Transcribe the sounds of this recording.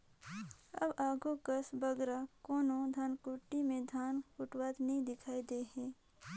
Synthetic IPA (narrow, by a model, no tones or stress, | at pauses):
ə̰baːɡukəsbəɡɾakoːnõd̪ʱaːnkʊʈːimẽd̪ʱaːnkʊʈwaːt̪nəɦĩd̪ɪkʰaːid̪eɦɛ̃ː